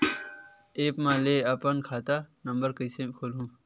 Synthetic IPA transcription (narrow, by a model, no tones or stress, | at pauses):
eːpmãːleːɐpənkʰaːt̪aːnɐmbəɾkəjsẽkʰolɦũː